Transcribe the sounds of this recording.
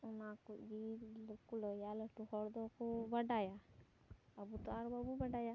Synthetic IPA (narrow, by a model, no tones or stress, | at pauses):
ɔnakuʔd͡ʒilɔkulɔjalɛʈuhɔɾd̪ɔkɔbaɖaja | abut̪ɔaɾbabubaɖaja